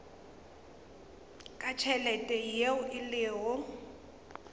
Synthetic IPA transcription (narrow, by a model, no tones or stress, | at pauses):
kʼat͡ʃʰɛlɛtʼɛjeʊʔɪlɪːɦɔ